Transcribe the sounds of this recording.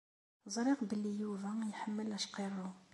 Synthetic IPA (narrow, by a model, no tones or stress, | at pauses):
zˤɾiqbəlːijuvæjħəmːəlæʃqiɾˤu